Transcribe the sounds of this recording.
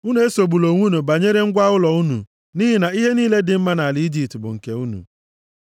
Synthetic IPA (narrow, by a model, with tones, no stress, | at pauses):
u˦ne˨e˦so˨ɡ͡bu˨lo˨ŋʷu˦nu˨ba˨ɲe˦ɾe˦ŋ̩˦ɡʷa˦ʊ˦lɔ˨u˦nṵ˨ | niː˦ɦɪ˨na˨i˦ɦe˦niː˦le˦dɪ˨m̩˦ma˦na˨li˨˦i˦d͡ʒi˨p̚tbʊ̰˨ŋ̩˨ke˨u˦nṵ˨